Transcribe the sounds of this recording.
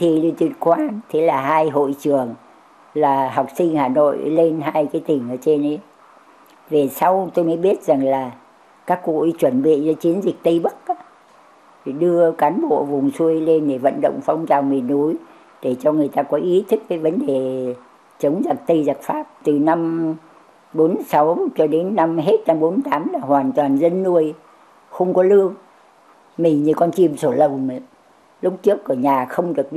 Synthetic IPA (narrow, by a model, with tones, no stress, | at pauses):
i˨˩li˧t̪wḭ˧˨ənkwaː˧nt̪ʰe˨˦laː˨˩ɦaː˧jɦo̰˧˨jt͡ɕɨ˨˩əŋ | laː˨˩ɦa˨˩wk͡p̚sï˧ŋ̟haː˨˩no̰˧˨jle˧nɦaː˧jkaː˨˦jt̪ï˨˩ŋ̟ʔəː˧˩t͡ɕe˧nʔə˨˦j | ve˨˩sa˧wt̪o˧jmə˨˦ɓi˦˥ət̚za˨˩ŋlaː˨˩ | kaː˦˥kːṵ˧˨˦t͡ɕwə˧˩nɓḭ˧˨zɔː˨˦t͡ɕi˨˦ənzï˨˩k̚t̪ə˧jɓə˦˥k̚ʔaː˨˦˨ | ɗɨ˧əkaː˨˦nɓo̰˧˨vʊ˨˩ŋ͡msu˧əjle˧nɗe˧˩və̰˧˨nɗə̰˧˨wŋ͡mfa˧wŋ͡mt͡ɕa˨˩wmi˨˩nʔu˨˦j | ɗe˧˩t͡ɕɔ˧ŋɨ˨˩əjt̪aː˧kɔ˨˦ʔi˨˦t̪ʰɨ˦˥k̚vəː˨˦jvə˨˦nɗe˨˩ | t͡ɕə˨˦wŋ͡mza˨˩t̚t̪ə˧jza˨˩t̚faː˦˥p̚t̪ɨ˨˩na˧m | ɓo˨˦nsa˨˦wt͡ɕɔ˧ɗe˨˦nːa˧mɦe˦˥t̚na˧mɓo˨˦n˨˩t̪aː˨˦mlaː˨˩hwaː˨˩nt̪waː˨˩nzə˧nːu˧˩əj | xə˧wŋ͡mkɔ˨˦lɨ˧əŋ | mï˨˩ŋɲi˧˨˩kɔ˧nt͡ɕi˨˩əmso˧˩lə˨˩wm˨ | lʊ˦˥k͡p̚t͡ɕɨ˦˥ək̚ʔəː˧˩ɲaː˨˩xə˧wŋ͡mɗɨ˨˩ək̚